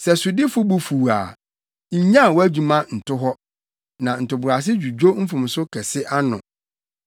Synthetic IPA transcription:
sɛ˨sʊ˨dɪ˦fʊ˦bu˨fuː˨a̰ː˨ | ɲ̩˨ɲã˦˨wɔ˦æ˦d͡ʑu˨mã˦n̩˨tʰʊ˦ɦɔ˦ | nã˨n̩˨tʊ˨bʊ˨ɾa˨s̬ɪ˦d͡ʑᶣu˨d͡ʑᶣo˦m̩˦fʊ̃˨m˨sʊ˦kʰɛ˨sɪ˦ʔa˦nʊ̰̃˨

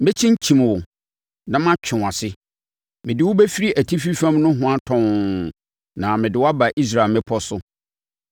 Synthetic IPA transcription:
mɪ̃˦t͡ɕʰɪ̃˦ɲ˦t͡ɕʰĩ˨mwʊ˨ | nã˦mã˦t͡ɕʰᶣɪ̃˨a˨sɪ˦ | mɪ̃˨dɪ˦wʊ˦be˦fi˦ɾi˦ʔæ˨tʰi˦fi˦fã˦mnʊ̃˦ɦʊ̃˦a˦tʰɔ̃˦n | nã˨mɪ̃˨dɪ˨wa˦ba˨ʔi˦s̬ɾa˦˨e˨mɛ̃˦pʰɔ˦sʊ˦

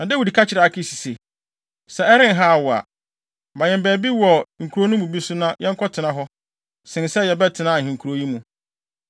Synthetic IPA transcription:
nã˨dɛ˦wu˨di˨kʰa˦t͡ɕʰɪ˨ɾa˨a˦kʰɪ˦si̥˨se˨ | sɛ˨ɛ˦ɾɪ̃˦nɦa˦a˨wɔ˨a̰˨ | mã˨ɲɛ̃˨bæː˨bi˦wɔ˨ŋ̩˨kʰu˨ɾo˦nʊ̃˦mũ˨bi˦sʊ˦nã˦jɛ˦ŋ̩˦kʰɔ˦tʰɪ˨nã˨ɦɔ˦ | sɪ̃˨nsɛ˦jɛ˨bɛ˦tʰɪ˨nã˦˨hĩ˨ŋ̩˨kʰu˨ɾo˦ji˦mũ˨

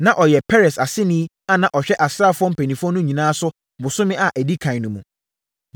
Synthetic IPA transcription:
nã˨ʔɔ˨jɛ˨pʰɛ˦ɾɛ˨sa˨sɪ˦nĩ˦ | a˦nã˨ʔɔ˨ɕᶣɛ˦ʔa˨sɪ˦ɾa˦˨fʊ˦ɔ̃˦m̩˦pʰe˨nĩ˨fʊ˦ɔ˦nʊ̃˦ɲĩ˨nãː˦sʊ˦ | bʊ˨sʊ˦mɪ̃˦ʔa˨ʔæ˨di˦kʰã˨nʊ̃˨mũ˨

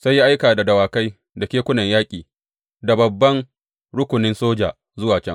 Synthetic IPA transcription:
sa˦jːi˦ʔa˦jkaː˨da˨dɐ˨waː˨ka˦j | da˨kʲeː˦kʷʊ˦nɐ˨ɲjaː˦kʲʼiː˨ | da˨bɐ˨bːɐ˦n | ɽʊ˦kʷʊ˨nɪ˦nsoː˦d͡ʒaː˨ | zʊ˦waː˨t͡ʃɐ˦ŋ

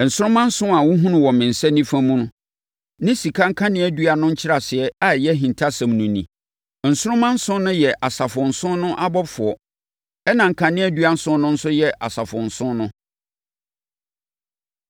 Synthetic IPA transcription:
n̩˨sʊ˦ɾʊ̃˦mã˦n̩˦sʊ̃˦a˨wʊ˦ɦũ˦nʊ̃˨wɔ̃˨mɪ̃˨n̩˨sɛ˦nĩ˦fã˦mũ˦nʊ̃˦ | nɪ̃˦si˨kʰa˦ŋ̩˦kʰã˦nɪ̃˦æ˨dɥa˨nʊ̃˦ɲ̩˦t͡ɕʰɪ˦ɾa˨sɪ˨ɛ˦a˦˨jɛ˦ɦĩ˨ntʰa˦sã˨mnũ˨nḭ̃˨ | n̩˨sʊ˦ɾʊ̃˦mã˦n̩˦sʊ̃˦nʊ̃˦jɛ˨ʔa˨sa˨fʊ̃˨n̩˨sʊ̃˦nnʊ̃˦ʔa˦bɔ˦fʊ˨ɔ˨ | ɛ˦nã˨ŋ̩˨kʰã˨nɪ̃˦ɛ˦dɥa˦n̩˦sʊ̃˦nʊ̃˦n̩˦sʊ˦jɛ˨ʔa˨sa˨fʊ̃˨n̩˨sʊ̃˦nnʊ̃˦

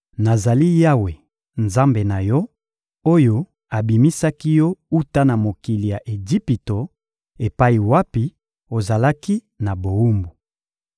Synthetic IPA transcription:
na˨za˨li˦ja˦we˨ | nza˦mbe˨na˨jɔ˦ | o˦jo˦ | a˨bi˨mi˦sa˦ki˦jɔ˦u˦ta˦na˨mo˨ki˨li˨ja˨ʔe˨d͡ʒi˦pi˨to˨ | e˨pa˦i˨wa˦pi˨ | o˨za˨la˦ki˦ | na˨bo˨u˦mbu˨

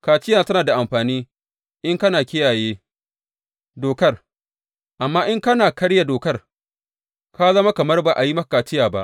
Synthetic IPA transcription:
kaː˨t͡ʃɪ˦jaː˨tɐ˦naː˨da˨ʔa˨mɸaː˨niː˦ | ʔɪ˦ŋkɐ˦naː˨kʲɪ˦jaː˨jeː˦ | doː˨kɐ˦r | ʔa˨mːaː˦ʔɪ˦ŋkɐ˦naː˨kɐ˦ɽja˨doː˨kɐ˦r | ka˦zɐ˦ma˦kɐ˨mɐ˦rba˨ʔa˨ji˦mɐ˦a˨kaː˨t͡ʃɪ˦jaː˨ba̰˦ʔ

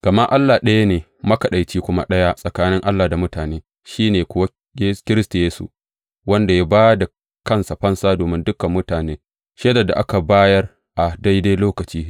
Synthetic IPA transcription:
ɡ̥ɐ˨ma˦ʔa˦lːa˨ɗɐ˦ja˦neː˨ | mɐ˦kɐ˨ɗa˨jt͡ʃiː˦kʷʊ˦ma̰˦ɗɐ˦ja˦sʼɐ˨kaː˦nɪ˦ŋʔa˦lːaː˨da˨mʊ˦taː˨neː˦ | ʃiː˦neː˨kʷʊ˦wa˦ | e˦kʲɪ˦ɾɪ˦sta˨jeː˦sṵ˦ | wɐ˦nda˨ja˦baː˦da˨ | kɐ˦nsa˨ɸɐ˦nsaː˦doː˨mɪ˦ndʊ˦kɐ˨mːʊ˦taː˨neː˦ | ʃe˦dɐ˨da̰˨ʔa˦ka˨baː˦jɐ˦r | ʔa˨da˦jda˦jloː˦kɐ˨t͡ʃiː˦

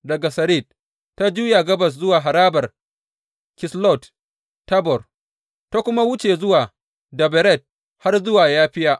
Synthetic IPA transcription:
dɐ˨ɡa˨sɐ˨ɾi˦˨t̚ | tːa˦d͡ʒuː˦ja˨ɡɐ˦bɐ˨s̬zʊ˦waː˨ɦa˨ɾaː˦bɐ˨r | kɪ˨slɔ˦˨tː | ɐ˦bɔ˨r | ta˦kʷʊ˦ma˦wʊ˦t͡ʃe˨zʊ˦waː˨ | dɐ˨bɛ˨ɾɛ˦˨t̚ | ha˦rzʊ˦waː˨jaː˦ɸɪ˦ja˦ʔ

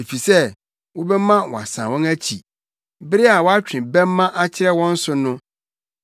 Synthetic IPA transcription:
e˨fi˨sɛ˦ | wɔ˦bɛ˦mã˦wɔ̰˨a̰˨sã̰˨wɔ̃˦næ˦t͡ɕʰḭ˨ | bɪ˦ɾɪ˦a˨wɔ˦a˦t͡ɕᶣɪ̃˨bɛ˦mː˦ã˦ʔa˦t͡ɕʰɪ˦ɾɛ˦wɔ̃˦n̩˦sʊ˨nʊ̃˦

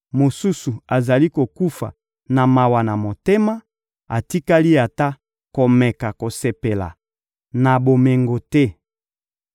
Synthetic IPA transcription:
mo˨su˦su˨a˨za˨li˦ko˨ku˦fa̰˨ | na˨ma˨wa˨na˨mo˨te˦ma˦ | a˨ti˦ka˦li˦a˨ta˦ | ko˨mɛ˨ka˨ko˨se˨pe˨la̰˨ | na˨bo˨me˨ŋɡo˨tɛ˦

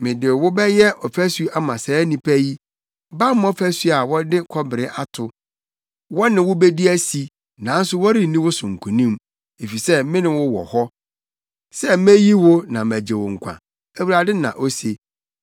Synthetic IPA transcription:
mɪ̃˨dɪ˨wʊ˦bɛ˦jɛ˦ʔɔ˨fæ˦su˦a˦mã˨sɛ˨˦nĩ˨pʰæ˦ji˦ | ba˦m˦ɔ˦fæ˦su˦a˨wɔ˦dɪ˦kʰɔ˦bɪ˨ɾɪ˦ʔa˦tʰʊ˨ | wɔ˦nɪ̃˨wʊ˦be˦di˦æ˦si˨ | nã˨˦n̩˦sʊ˦wɔ˦ɾi˦˨nĩ˦wʊ˦sʊ̃˨ŋ̩˨kʰũ˨nĩ˦m | e˨fi˨sɛ˦mɪ̃˦nɪ̃˨wʊ˦wɔ̰˨hɔ˦ | sɛ˦mæ̃˦ji˦wʊ˦nã˨mæ˨d͡ʑe˨wʊ̰˨ŋ̩˨kʷʰã̰˨ | æ˨wu˨ɾa˨dɪ˦nã̰˨ʔo˦se˨

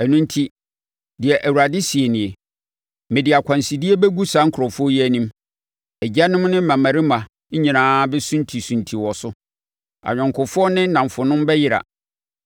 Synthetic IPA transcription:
æ˨nũ˦n˦tʰi˦ | dɪ˨ɛ˨ʔæ˨wu˨ɾa˨dɪ˦si˨e˨nĩ˨e˨ | mɪ̃˨dɪ˨a˨kʰʷã˨nsi˨di˦e˦bɛ˦ɡu˦sã˨˦ŋ̩˦kʰɾɔ˨fʊ˦ɔ˦ji˦æ˦nĩ˦m | ɛ˨d͡ʑa˦nʊ̃˦m˦nɪ̃˦mã˨mã˨ɾɪ˦mã˨˦ | ɲĩ˨nãː˦bɛ˦sũ˦ntʰi˨sũ˨ntʰi˨wɔ˨sʊ˦ | a̰˨ɲᶣɔ̃˨ŋkʰʊ˨fʊ˦ɔ˦nɪ̃˦nã˨ɱ˨fʊ˨nʊ̃˦m˦bɛ˦jɪ˦ɾa̰˨

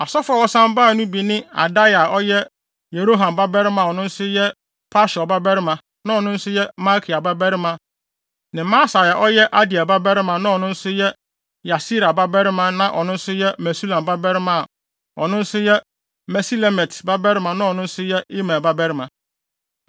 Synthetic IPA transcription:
a˨sɔ˦fa˨wɔ˦sã˦mbaː˦˨nʊ̃˦bi˨nɪ̃˦a̰˨da˦ja˨ɔ˦jɛ˦ | je˨ɾo˦ɦã˨mba˦bɛ˦ɾɪ˦mã˨ɔ˨nʊ̃˦n̩˦sʊ˦jɛ˦ | pʰa˦ʃɔ˨ba˦bɛ˦ɾɪ˦mã˨ | nã˦ɔ˨nʊ̃˦n̩˦sʊ˦jɛ˦ma˦kʰi˨a˨ba˦bɛ˦ɾɪ˦mã˨ | nɪ̃˨ma˦sa˨ja˨ʔɔ˦jɛ˦ʔa˦di˨a˨ba˦bɛ˦ɾɪ˦mã˨nã˦ɔ˨nʊ̃˦n̩˦sʊ˦jɛ˦ | ja˨si˦ɾa˨ba˦bɛ˦ɾɪ˦mã˨nã˦ʔɔ˨nʊ̃˦n̩˦sʊ˦jɛ˦mɛ˨su˦lã˨mba˦bɛ˦ɾɪ˦mã˦˨ | ɔ˨nʊ̃˦n̩˦sʊ˦jɛ˦ | mɛ˨si˦le˨mɛ˨tba˦bɛ˦ɾɪ˦mã˨nã˦ɔ˨nʊ̃˦n̩˦sʊ˦jɛ˦i˦mã˨ba˦bɛ˦ɾɪ˦mã˨

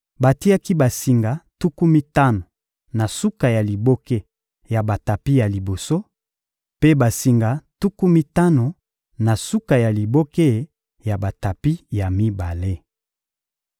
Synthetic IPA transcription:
ba˨ti˦a˦ki˦ba˨si˨ŋɡa˨tu˦ku˦mi˦ta˦no˨ | na˨su˦ka˨ja˨li˨bo˦ke˦ | ja˨ba˨ta˨pi˦ja˨li˨bo˨so˦ | pe˦ba˨si˨ŋɡa˨tu˦ku˦mi˦ta˦no˨ | na˨su˦ka˨ja˨li˨bo˦ke˦ | ja˨ba˨ta˨pi˦ja˨mi˦ba˨le˦

